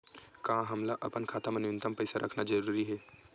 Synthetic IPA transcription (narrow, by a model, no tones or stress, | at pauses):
kãɦɐmlaʔɐpənkʰaːt̪əmənjʊnt̪əmpɐɪsaɾʔɐkʰnad͡ʒɐɾuːɾiɦɛː